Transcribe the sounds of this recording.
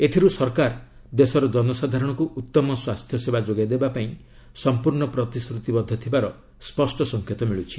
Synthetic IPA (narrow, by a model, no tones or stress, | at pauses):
et̪ʰiɾusɔɾkaɾ | d̪esɔɾɔd͡ʒɔnɔsad̪ʱaɾɔɽ̃ɔkuʔut̪ːɔmɔswast̪ʰjɔsebad͡ʒoɡajd̪ebapaĩ | sɔmpuɾɳɔpɾɔt̪iskɾut̪ibɔd̪ʱːɔt̪ʰibaɾɔ | spɔsʈɔsɔŋkʰjet̪ɔmiɭut͡ʃʰi̥